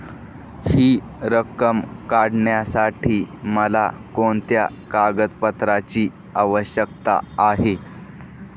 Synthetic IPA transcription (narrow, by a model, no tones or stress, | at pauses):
hiː | ɾəkəmkaɽɳjasaʈʰiːməlakoɳt̪ja̰kaɡət̪pət̪ɾat͡ɕiː | aʋəɕjəkt̪a̰ːɦe